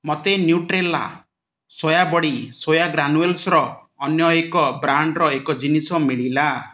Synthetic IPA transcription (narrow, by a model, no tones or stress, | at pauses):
mɔt̪enjuʈɾelːa̰ | sojabɔɽisojaɡɾanuelsɾɔː | njɔekɔbɾaɳɖɾɔekɔd͡ʒinisɔmiɭila